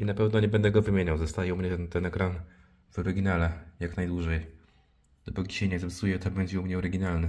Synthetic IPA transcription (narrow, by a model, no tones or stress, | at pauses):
inapɛvnɔɲɛbɛnd̪ɛɡɔvɘmʲjeɲawzɔst̪ajɛumɲɛt̪ɛnɛkɾan | v̥ɔɾɘɡʲinalɛjaknajd̪wuʐɛj | d̪̥ɔpuk̬ʲi̥ɕɛɲɛzɔpsujɛt̪ɔbɛɲd͡ʑɛumɲɛɔɾɘɡʲinalnɘ